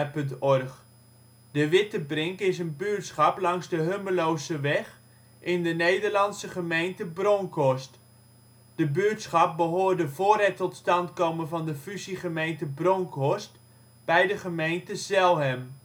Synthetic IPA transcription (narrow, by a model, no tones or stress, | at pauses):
pɵntɔrχ | d̥əʋɪtəbrɪŋkɪs̬ənbyːtsχɑplɑŋzdəɦøməlowsəʋɛχ | ʔɪndənejdəɹlɑnsəχəmejntəbrɔŋkɔst | d̥əbytsχɑp̚bəɦoːɹdəvoːrɦɛtːɔtstɑntkowmənvɑndəfyziχəmejntəbrɔŋkɔst | b̥ɛjdəχəmejntəzɛlˠɦɛm